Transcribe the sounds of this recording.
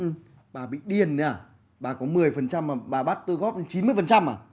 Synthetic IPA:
ʔɨ˨˩ | ɓaː˨˩ɓḭ˧˨ɗi˨˩ənː˧aː˧˩ | ɓaː˨˩kɔ˨˦mɨ˨˩əjfə˨˩nt͡ɕa˧mːaː˨˩ɓaː˨˩ɓa˦˥t̚t̪ɨ˧ɣɔ˦˥p̚t͡ɕi˨˦mɨ˧əjfə˨˩nt͡ɕa˧mʔaː˨˩

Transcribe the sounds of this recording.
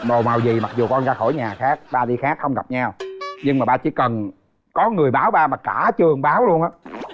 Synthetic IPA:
mo˨˩ma˨˩wzi˨˩ma˨˩k̚zu˨˩kɔ˧nzaː˧˩xo˧˩jɲaː˨˩xaː˦˥k̚ɓaː˧ɗi˧xaː˦˥k̚xə˧wŋ͡mɣa˨˩p̚ɲa˧wɲɨ˧ŋmaː˨˩ɓaː˧t͡ɕi˧˩˦kə˨˩n | kɔ˨˦ŋɨ˨˩əjɓaː˨˦wɓaː˧maː˨˩kaː˧˩t͡ɕɨ˨˩əŋɓaː˨˦wlu˧ənʔaː˨˦˥

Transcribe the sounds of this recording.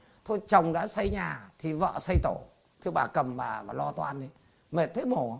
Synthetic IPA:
t̪ʰo˧jt͡ɕə˨˩wŋ͡mɗa̰ː˧˥sə˧jɲaː˨˩t̪ʰi˨˩və̰ː˧˨sə˧jt̪o˧˩ | t̪ʰɨ˧əɓaː˨˩kə˨˩mvaː˨˩aː˨˩lɔ˧t̪waː˧nʔi˨˦ | me˨˩t̚t̪ʰe˨˦mo˧˩˨

